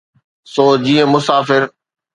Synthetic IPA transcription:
soːd͡ʑiːə̃mʊsaːfɪɾ

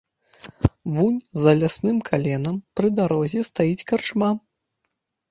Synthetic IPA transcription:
vunʲzɐlʲasnɨmkʰalʲɛnɐmpɾɨd̪aɾɔzʲɛst̪ajit͡sʲkart͡ʂma

